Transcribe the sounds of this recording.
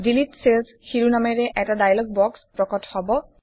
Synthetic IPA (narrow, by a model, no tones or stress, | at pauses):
dilitsels | xiɹunamɛɹɛʔɛtadajlɔɡ̚bɔkspɹɔkɔthɔbɔ